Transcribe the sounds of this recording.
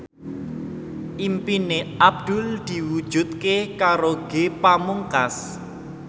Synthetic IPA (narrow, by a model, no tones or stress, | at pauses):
ʔimpineab̚d̪̥ʊ̤ld̪̥i̤wud̥ʒ̥ṳt̪̚kekaɾoɡ̥epamuŋkas